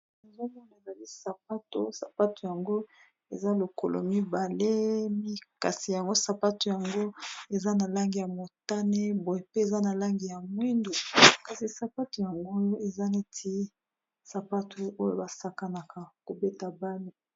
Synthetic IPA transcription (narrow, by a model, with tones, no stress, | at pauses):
e˨zo˦mɔ˦na˨e˨za˨li˦sa˨p̚a˦to˦sa˨pa˦to˨ja˨ŋɡo˦ | ḛ˨za˦lo˨ko˨lʔo̰˨mi˦ba˨le˦mi˦ka˨si˨ja˨ŋɡo˦sa˨pa˦to˨ja˨ŋɡo˦e˨za˦na˨la˦ŋɡi˨ja˨mo˨ta˦ne˦bo˨e˨pe˦e˨za˦na˨la˦ŋɡi˨ja˨mwi˦ndo˨ka˨si˨sa˨pa˦to˨ja˨ŋɡo˦e˨za˦ne˦tʰi˦ | sa˨pa˦tʰo˨o˦jo̰˦˨ba˨sa˨ka˨na˨ka˨ko˨be˦ta˨ba˦li˨